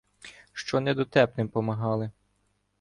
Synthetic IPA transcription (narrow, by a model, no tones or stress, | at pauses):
ʃt͡ʃɔnɛd̪ɔt̪ɛpnɪmpɔmɐɦɑlˠɪ